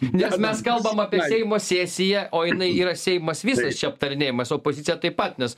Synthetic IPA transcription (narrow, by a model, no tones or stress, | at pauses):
nʲɛsmʲɛskɐlˠbɐmɑːpʲiɛsʲɛɪmoːsʲæːsʲɪjɛʔoːjɪnɐɪiːɾɐsʲɛɪmɐsʋʲiːsɐst͡ʃʲɛɐp̚t̪ɐɾʲɪnʲeːjɪmɐsoːpoːzʲɪt̪t͡sʲɪjɛt̪ɐɪpɐt̪nʲɛs